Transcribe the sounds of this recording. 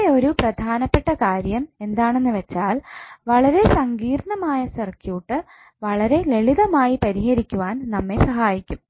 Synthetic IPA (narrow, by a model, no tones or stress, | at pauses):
o̞ɾuprɐd̪ʱaːnɐpːe̞ʈːɐkaːɾjɐme̞nd̪aːɳe̞nːɨʋe̞t͡ɕːaːlʋɐɭɐɾe̞sɐŋɡiːrɳɐmaːjɐsɐrkjuːʈːɨ | ʋɐɭɐɾe̞le̞ɭiðɐmaːjipɐɾiɦɐɾikʲːuʋaːnnɐmːe̞sɐɦaːjikʲːum